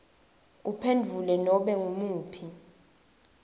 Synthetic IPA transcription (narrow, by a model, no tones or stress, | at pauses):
upʰendʱulɛnɔɓɛŋumuːpʰi